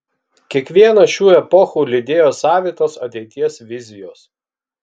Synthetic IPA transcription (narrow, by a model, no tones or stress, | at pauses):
kʲiɛkʋʲiɛnɐʃʲuːɛpɔxuːlʲɪd̪ʲeːjoːsɑːʋʲiːt̪oːsɐt̪ʲɛɪt̪ʲiɛsʋʲɪzʲɪjoːs